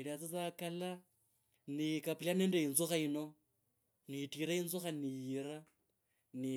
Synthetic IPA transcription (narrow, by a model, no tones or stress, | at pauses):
ilat͡sit͡sakala | nikapilaneːndeinzuxaino̞ | nitiɾainzuxanijiɾa | ni